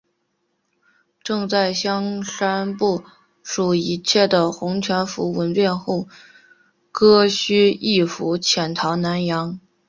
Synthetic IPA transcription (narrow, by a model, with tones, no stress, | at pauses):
ʈ͡ʂɤ˥˧ŋt͡sa˥˩ɪɕjɑ˥ŋʂa˥npu˥˩ | ʂu˨˩i˧˥t͡ɕʰjɛ˥˩d̪ə˩xʊ˧˥ŋt͡ɕʰɥɛ˧˥nfṵ˧˥wə˧˥npjɛ˥˧nxu˥˩ | kɤ˥ɕy˥i˥˩fu˧˥t͡ɕʰjɛ˨˩nt̪ʰɑ˧˥ʊna˧˥njɑ˧˥ŋ